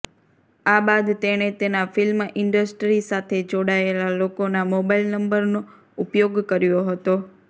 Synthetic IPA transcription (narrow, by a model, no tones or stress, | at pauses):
aɓad̪t̪eɽ̃et̪enafɪlmʔɪɳɖəsʈɾisat̪ʰed͡ʒoɽaelalokonamobaɪlnəmbəɾno | ʊpjoɡkəɾjoɦət̪o